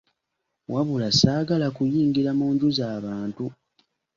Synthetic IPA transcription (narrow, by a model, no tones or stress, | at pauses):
waβulasaːɡalakujiːŋɡiɾamuːɲɟuzaːβaːntu